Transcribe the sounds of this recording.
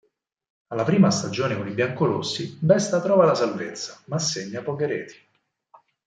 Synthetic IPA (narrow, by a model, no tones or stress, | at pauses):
alːapɾiːmast̪ad͡ʒoːnekonibjaŋkolo̰sːibɛst̪at̪ɾɔːvalasalvet̪sːḁmasːeɲːapɔkeɾɛ̰ːt̪ʰi̥